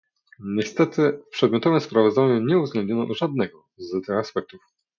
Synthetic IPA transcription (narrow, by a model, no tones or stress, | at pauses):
ɲɛst̪ɛt̪ɘpʂɛd̪mʲjɔt̪ɔvɛmspɾavɔzd̪aɲuɲɛuvzɡ̪lɛnd̪ɲɔnɔʔʐad̪nɛɡɔ | zt̪ɘxaspɛk̚t̪uf